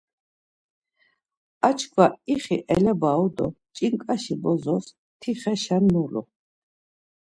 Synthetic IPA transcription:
at͡ʃʰkʰvaiχiʔɛlɛbaɔd̪ɔ̰t͡ʃʼiŋkʼaʃibɔzɔs | t̪ʰiχɛʃanːulɔ̰

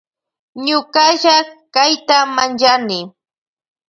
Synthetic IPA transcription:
ɲʊkaʒakajt̪amant͡ʃanɪ

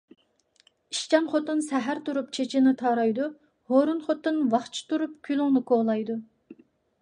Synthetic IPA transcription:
iʃt͡ʃɛnχot̪ɨnsæɦæɾt̪uɾup̚t͡ʃʰet͡ʃʰinɪt̪ʰɑɾɑjd̪u | hoɾunχot̪ːɨnwɑχt͡ʃʰi̥t̪uɾup̚kʲʰylˠuŋnɨkʰolˠɑjd̪u

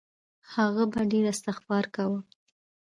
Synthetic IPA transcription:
haɣabaɖeɾast̪ɪxbɑɾkawə

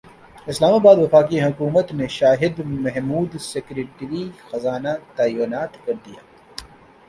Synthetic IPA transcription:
ɪslaːmaːbaːd̪ʋɪfaːkiɦʊkuːmət̪neʃaːɦɪd̪mɐɦmuːd̪seːkɾeːʈɾixɐzaːnat̪aːjunaːt̪kɐɾd̪ija̰ː

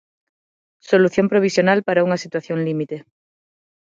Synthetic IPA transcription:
soluθjompɾoβ̞isjonalpaɾauŋasit̪waθjõnlimit̪e

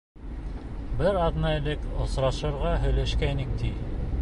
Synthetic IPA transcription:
bɘɾɑd̪nɑɘlɘkŏsɾɑʃɤ̆ɾʁɑɦɵ̆jlæʃkæinɘŋt̪i

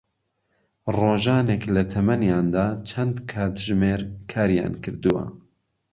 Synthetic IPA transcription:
roːʒɑːneklɐt̪ʰɐmɐnjɑːnd̪aːt͡ʃʰɐnd̪kʰaːt̪ʒmeːɾkʰaːɾijɑ̰ːnkʰɨɾd̪uwɐ̰

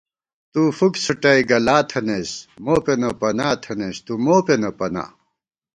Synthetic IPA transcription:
t̪ufuksuʈɐiɡɐlaːt̪ʰɐnesmoːpenɐpɐnaːt̪ʰɐnest̪umoːpenɐpɐna̰ː

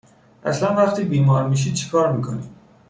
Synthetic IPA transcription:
ʔæslænvæχt̪iːbiːmɒːɾmiːʃ̬iːd̪̚t͡ʃʰe̥kʰɒːɾmiːkʰo̰niːd̪̥

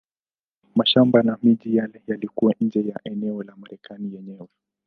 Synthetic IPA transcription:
maʃambanamiʄijalɛjalikuwaɲ̩d͡ʒɛjaʔɛnɛɔlamaɾɛkanijɛɲɛwɛ

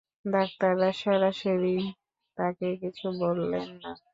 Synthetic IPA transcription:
d̪ak̚t̪aɾːaʃeɾaʃeɾi | t̪akekit͡ɕʰubolːenːa

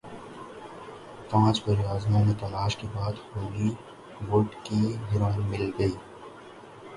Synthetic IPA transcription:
pãːt͡ʃbɐɾjaːznãmẽt̪ɐlaːʃkebaːd̪hoːli | ʋoːʈkiɦɪɾaːnmɪlɡɐiː

